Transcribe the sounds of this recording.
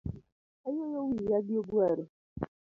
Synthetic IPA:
ajojowijaɡɪobuaɾɪ

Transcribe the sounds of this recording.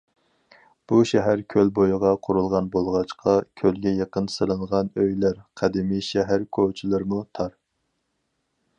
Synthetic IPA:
b̥uʃɛɦæɾkʲʰølbojʁɑqʰʊɾulˠʁɑnbolˠʁɑt͡ʃqʰɑkʲʰølɡʲɛjɑqənsɨlˠɨɴʁɑnøjlæɾqʰæd̪ɪmiʃɛɦæɾkʰot͡ʃʰilˠɨɾmut̪ʰɑɾ

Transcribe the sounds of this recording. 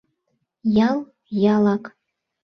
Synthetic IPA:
jɑlˠ | jɑlˠɑk

